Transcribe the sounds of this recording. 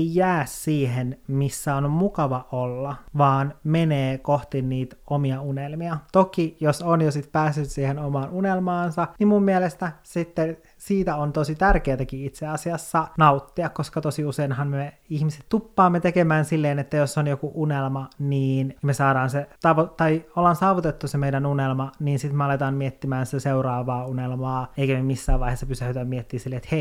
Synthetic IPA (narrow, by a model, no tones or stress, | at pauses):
ejjæːssiːɦenmisːæonmukɑʋɑʔolːɑʋɑːnmeneːkoht̪inniːt̪omiɑunelmiɑt̪okijosonjosit̪pæːsːyt̪siːhenomɑːnunelmɑːnsɑnimmumːielest̪æsit̪ːe | siːt̪æont̪osit̪ærkeːt̪ækiit̪seɑsiɑsːɑnɑut̪ːiɑkkoskɑt̪osiuseinhɑnmeihmise̥t̪t̪upːɑːmːet̪ekemæːnsilːeːnet̪ːæjosːonjokuʔunelmɑniːnmesɑːɾɑːnset̪ɑʋot̪ɑiolːɑnsɑːʋut̪et̪ːusemeijdænunelmɑniːnsit̪meɑlet̪ɑːmmiet̪ːimæːnsit̪æseurɑːʋɑːunelmɑːeikæmemisːæːʋɑiheːsːɑpysæhyt̪æmiet̪ːiːsilːeet̪hei